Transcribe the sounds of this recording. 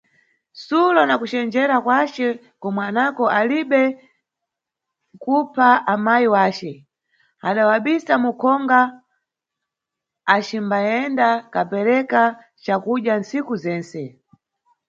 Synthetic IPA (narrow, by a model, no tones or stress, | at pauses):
sulɔnakut͡ʃɛnd͡ʒɛɾakwat͡ʃɛ | kɔmwanakɔʔaliɓɛ | kupʰaamajiwaːt͡ʃɛ | aɗawaɓisamukʰɔŋɡa | t͡ʃimbaɛndakapɛɾɛka | t͡ʃakuʄjansikuzɛːnsɛ